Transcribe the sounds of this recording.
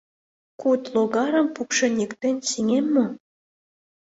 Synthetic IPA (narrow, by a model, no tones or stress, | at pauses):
kut̪loɣɑɾə̆mpukʃɤ̆nʲikt̪enʲsiŋemːo